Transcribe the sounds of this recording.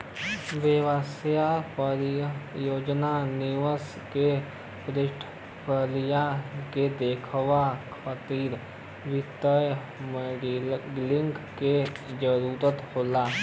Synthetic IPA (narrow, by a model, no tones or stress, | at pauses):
ʋewəsjapəɾjoːd͡ʒnanɪʋəs | ke | pɾɪʈʰ | pʰəlijaked̪eːkʰwakʰət̪iːɾ | ʋɪt̪əj | m | ɡlɪŋɡked͡ʒəɾuːɾət̪hoːlaː